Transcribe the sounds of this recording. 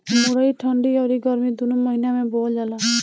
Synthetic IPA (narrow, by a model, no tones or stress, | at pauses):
muɾaiʈʰɔɳɖiɔɾiɡɔɾmid̪unumɔɦinamebold͡ʒala